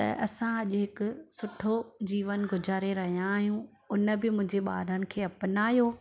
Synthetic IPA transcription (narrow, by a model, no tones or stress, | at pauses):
t̪ɐ̰ʔɐsãɐʄʊɦɪkʊsʊʈʰod͡ʑiːʋənɡʊd͡ʑʱaːɾeɾɐɦijãːɦijũ | ʊnə̆bɪmʊ̃ɦɪ̃ɲd͡ʑeɓa̰ːɾənɪ̆kʰeːɐpɪnaːjoː